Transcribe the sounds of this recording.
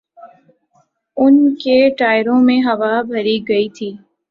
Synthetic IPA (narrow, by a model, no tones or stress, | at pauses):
ʊnkeʈaːɪɾõmẽɦɐʋabʱɐɾiɡɐit̪ʰiː